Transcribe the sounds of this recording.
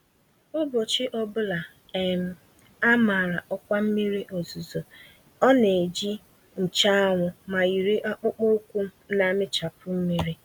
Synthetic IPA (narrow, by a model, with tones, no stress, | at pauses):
ʊ˦bo˨t͡ʃɪ˦ʔɔ˦bʊ˦la˨ | e˨m̩˨ | a˦ma˨ɾa˨ʔɔ˦kʷa˦m̩˦mi˦ɾi˦ʔo˨zu˨zo˨ | ɔ˦ne˨d͡ʒi˦ | n̩˨t͡ʃa˦a˦ŋʷʊ˨ma˨i˨ɾe˦ʔa˦k͡pʊ˦k͡po˦kʷu˦na˦mɪ˦t͡ʃa˨pʊ˦m̩˦mi˦ɾi˦